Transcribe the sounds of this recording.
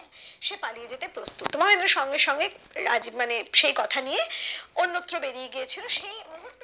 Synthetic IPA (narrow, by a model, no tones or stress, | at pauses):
ʃepalijed͡ʑet̪epɾost̪ut̪ːomaeneɾʃɔŋɡeʃɔŋɡeɾa̰d͡ʑibmaneʃejkɔt̪ʰanijeonːot̪ːɾobeɾijeɡiet͡ɕʰiloʃejoɦu